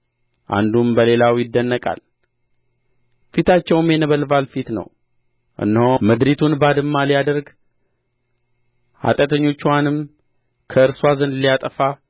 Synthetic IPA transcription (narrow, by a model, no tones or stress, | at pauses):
ʔa̰nd̪umbəle̞lawjɪd̪ːənːəkʼa̰l | fit̪ʰat͡ʃːɛwɨmjɛnəβəlvalfit̪nə̰w | ʔɨ̰nːhoməd̪ɾit̪ʰunbad̪ɨmːalijad̪əɾɡ | ha̰t̪ʼət̪ʰəɲːo̞t͡ʃːwanɨm | kʰəɨɾswazənd̪ɨlijat̪ʼəfa